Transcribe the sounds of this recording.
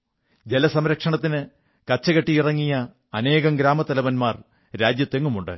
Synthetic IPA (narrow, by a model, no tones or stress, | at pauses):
d͡ʑe̞lɐsɐmɾɐkʂɐɳɐt̪ːinɨ | kɐt͡ɕːɐɣɐʈːiirɐŋːijɐː | ne̞ːɣɐmɡɾaːmɐt̪ɐlɐʋɐnmaːr | ɾaːd͡ʑjɐt̪ːe̞ŋːumuɳɖɨ̰